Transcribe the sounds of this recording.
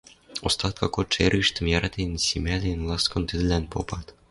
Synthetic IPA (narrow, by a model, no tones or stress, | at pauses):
ost̪ɑt̪̚kʰɑkot͡ʃeriʃt̪ɘ̆mjæɾɑt̪ensʲimʲælʲenlˠɤskɤ̆nt̪ɘ̆d̪ɘ̆lænpo̰pɑt̪